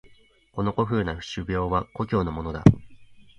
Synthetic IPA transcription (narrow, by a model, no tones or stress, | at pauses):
ko̞no̞ko̞ɸɯ̟ːnaɸɯ̟̥ɕɨbʲjo̞ːβako̞kʲo̞ːno̞mo̞no̞d̪a̰